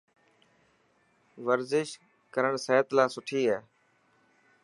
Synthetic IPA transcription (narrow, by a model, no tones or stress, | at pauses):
ʋəɾzɪʃ | kəɾəɳsɛːət̪laːsʊʈʰiːɛː